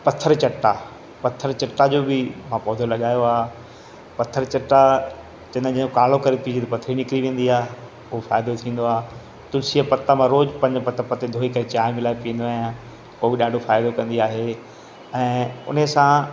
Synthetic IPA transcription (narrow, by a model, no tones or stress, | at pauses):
pɐt̪ʰːəɾt͡ɕɐʈːa | pɐt̪ʰəɾt͡ɕɐʈːad͡ʑoːbɪmãːpɔːd̪ʱolɐɠaːjoaː | pɐt̪ʰːəɾt͡ɕɐʈːa | t͡ɕɐ̃nə̃d͡ʑɐ̃okaːl̤okɐɾep̪ʰid͡ʑit̪ɐpɐt̪ʰːəɾinɪkɾiʋẽːn̆d̪iaːɦe | ʊɦofa̰ːjd̪ot̪ʰĩːn̆d̪oaːɦ | t̪ʊlsiəpɐt̪ːamãɾoːd͡ʑpɐ̃ɲd͡ʑpɐt̪ʰːəɾpɐt̪ed̪ʱoːikɐɾet͡ɕaːemɪlaːepijə̃nd̪oaːjã | ʊɦobɪɗaːɖʱofaːɪd̪okɐ̃nd̪iaːɦe | ɛ̃ːʊ̰nəsã